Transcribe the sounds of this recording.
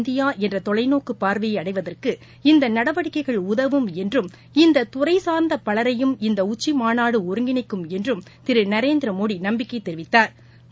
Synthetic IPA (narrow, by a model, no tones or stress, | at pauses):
nd̪ɪjaːʔɛndrɐt̪ɔɭɐɪnoːkɯpːaːɾʋɐjɐɐɽɐɪʋɐðɐrkɯ | ɪnd̪ɐnɐɽɐʋɐɽɪkːɐɪɣɐɭʊðɐʋɯmɛndrɯm | ɪnd̪ɐt̪ʊrɐɪsaːɾnd̪ɐpɐɭɐɾɐjɯmɪnd̪ɐʊt͡ʃːimaːnaːɽɯɔɾɯŋɡɪnɐɪkːɯmɛndrɯm | t̪ɪɾɯnɐɾeːnd̪ɪɾɐmoːɽinɐmbɪkːɐɪt̪ːɛɾɪʋɪt̪ːaːɾ